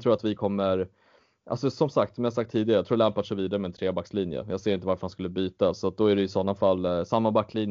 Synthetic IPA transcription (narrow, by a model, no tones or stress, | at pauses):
t̪ʰɾuːɾat̪vɪkʰɔmːəɾ | ʔa̰lsɔsɔmsakt̪sɔmɪjas̬ak̚t̪ʰːiːd̪ɪɡaɾəjɑt̪ɾuːɾlɛmpat̪ʂɛviːd̪aɾəmɛnt̪ʰɾeːbakːsliːnjə̰jɑːɡseːɾɪnt̪əvaɾfœɾhanskɵlːəbyːt̪asɔat̪̚d̪ɔæɖɛjɪsɔnːafalːsamːabakːliːn